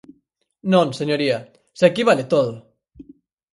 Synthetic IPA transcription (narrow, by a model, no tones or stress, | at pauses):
nonseɲoɾia | sekiβalet̪oðo